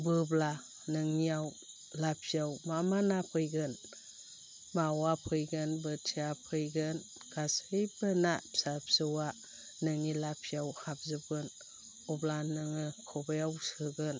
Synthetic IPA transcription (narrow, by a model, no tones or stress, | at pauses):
bɯbla | nɯŋiaw | lapʰjawmamanapʰɯjɡɯn | mawapʰɯjɡɯnbɯtʰiapʰɯjɡɯn | kasɯjbɯnapsabsɯwa | nɯŋilapʰiawhab̚zɯbɡɯn | ublanɯŋɯkʰobejawsɯɡɯn